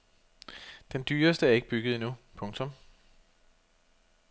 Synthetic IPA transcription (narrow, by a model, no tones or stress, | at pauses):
d̥end̥yːɐsd̥əæɐe̝ɡ̥̚b̥yɡ̥ð̞̩ˠinupʰɔ̽ŋt͡sʰɔ̽m